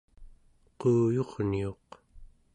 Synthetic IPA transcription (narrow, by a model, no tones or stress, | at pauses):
quːjo̞ʁnio̞q